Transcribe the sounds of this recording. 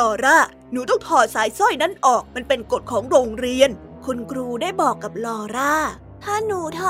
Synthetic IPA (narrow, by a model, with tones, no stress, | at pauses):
ɔː˧ɾaː˥˩ | nuː˨˦t̪ɔ˥˩ŋt̪ʰɔː˨˩t̪̚saː˩˦jsɔ˥˩jna˦˥˩nʔɔː˨˩k̚ma˧npe˧nko˨˩t̪̚kʰɔː˩˦ŋɾoː˧ŋɾi˧ən | kʰu˧nkʰɾuː˧daː˥˩jbɔː˨˩kːa˨˩p̚lɔː˧ɾaː˥˩ | t̪ʰaː˥˩nuː˨˦t̪ʰɔ˧˩